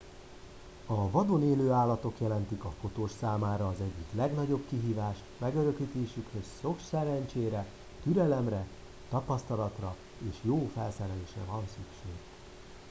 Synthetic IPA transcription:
ɒvɒd̪oneːløːaːlːɒt̪o̞kjɛlɛn̪t̪ikɒfo̞t̪oːʃsaːmaːɾɒːzɛɟːiklɛɡn̪ɒɟo̞bkiɦiːvaːʃ | mɛɡø̞ɾø̞kliːt̪eːʃykhøsːo̞ksɛɾɛɲt͡ʃeːɾɛ | t̪yɾɛlɛmrɛ | t̪ɒpɒst̪ɒlɒt̪rɒ | eːʃjoːfɛlsɛɾɛleːʃrɛ̰vɒnsykʃeːɡ

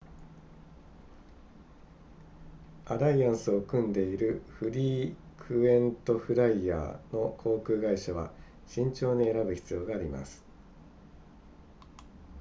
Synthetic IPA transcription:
aɾaiãɰ̃sɨo̞kɯ̟̃nd̪e̞iɾɯ̟ɸɯ̟ɾʲiː | kʰɯ̟ẽ̞nt̪o̞ɸɯ̟ɾaia̰ːno̞kʰo̞ːkɯ̟ːɡaiɕaβ̞a̰ | ɕĩɲ̟t͡ɕo̞ːɲ̟ie̞ɾabɯ̟çʲi̥t͡sɨjo̞ːɡaːɾʲima̰sɨ̥

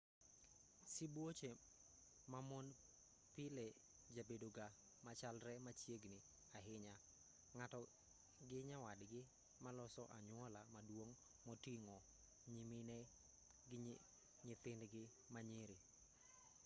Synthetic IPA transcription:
sibwot͡ʃe | mamɔn | pɪlɛ | d͡ʒabedoɡa | mat͡ʃalɾɛmat͡ʃjeɡnɪ | aɦɪɲa | ŋatɔ | ɡɪɲawadɡɪ | malɔsɔʔa̰ɲʊɔlamadwoŋ | mɔtiŋɔ | ɲimɪnɛ | ɡɪ | ɲɪt̪ɪnɡɪ | maɲɪɾi

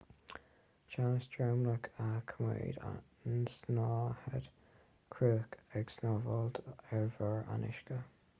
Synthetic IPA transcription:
t͡ʃansdɹamləkʰakʰəmḛːda̰ | nsnɑːhɛd̥ | kʰɹuːkʰɛɡsnɔvɔldɛɹvəɹa̰nɪ̰ʃkə

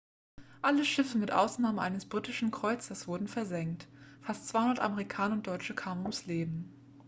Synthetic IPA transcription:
ʔaləʃɪfəmɪtʔa̰ʊsnaːməʔa̰ɪnəsb̥ʁiːtɪʃn̩kʁ̥ɔʏt͡səsv̥ʊɐdn̩fɛɐzɛŋktfastt͡sv̥aɪhʊndɐtʔa̰məʁikʰaːnɐʊnd̥ɔʏt͡ʃəkʰaːmənʊmsleːbm̩

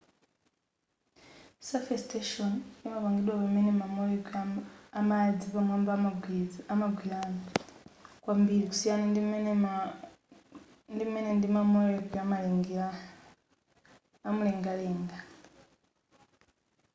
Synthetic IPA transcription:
safestʰeʃonemaβaŋɡidwaβamenemamoeː | mad͡ziβamwaːmbamaamaɡwilano | kwambiɾiku̥sijanan | ndimenendimamoleɡwiamaleŋɡa | muleːŋɡaleːŋɡa

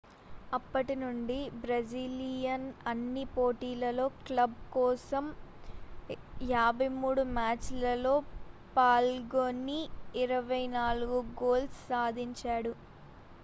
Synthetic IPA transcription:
ɐpːɐʈinuɳɖibɾɐd͡ʒiːlijɐnɐnːipoːʈiːlɐlo̞ːklɐbkɔːsɐm | jaːbʱɐjmuːɽumaːt͡ʃlɐlo̞ːpaːlɡoːnːiːɾɐʋɐjnaːluɡuɡoːlssaːd̪ʱiɲt͡ʃaːɽu

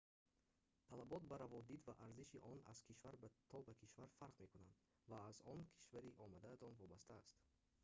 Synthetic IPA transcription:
t̪ʰalabɔt̪̚baɾavɔd̪id̪vaʔaɾziʃiʔɔna̰z̥kʰiʃvaɾbat̪ʰɔbakʰiʃvaɾfaɾqme̞kunand̪ | vaːzɔnkʰi̥ʃvaɾiʔɔmad̪aːzɔnvɔbast̪ʰaːst̪

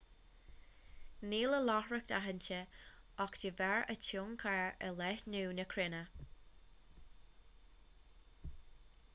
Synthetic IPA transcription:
niːləlɔhɹək̚d̪aɦənt͡ʃəɔkd͡ʒəvɛɹət͡ʃʰoŋkʰaɹə̰lɛhnuːnəkʰɾɪnə

